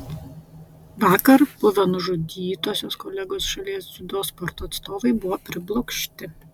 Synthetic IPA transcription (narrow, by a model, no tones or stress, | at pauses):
ʋɑːkɐɾb̥ʊʋʲoːnʊʒud̪ʲiːt̪oːsʲoːskɔlʲɛɡoːsʃɐlʲiɛsj̪ʲʊd̪oːspɔɾt̪oːt̪st̪oːʋɐɪbʊʋoːpʲɾʲɪblˠɔkʃʲt̪ʲɪ